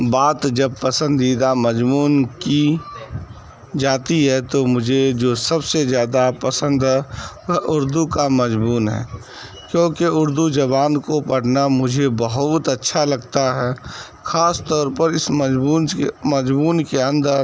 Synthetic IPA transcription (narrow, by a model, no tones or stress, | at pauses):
baːt̪d͡ʒɐb̚pɐsə̃nd̪iːd̪amɐd͡ʒmuːnki | d͡ʒaːt̪iɦɛt̪omʊd͡ʒʱed͡ʒoːsɐbsezjaːd̪apɐsə̃nd̪ɦɛ | əɦʔʊɾd̪ukamɐd͡ʒbuːnɦɛ̰ː | kjõːkeʊɾd̪ud͡ʒɐβaːnkopɐɽnamʊd͡ʒʱebəɦʊt̪ɐtːʃʰalɐɡt̪aɦɛː | xʰaːst̪ɔːɾpəɾɪsmɐd͡ʒbuːnmɐd͡ʒmuːnkeə̃nd̪əɾ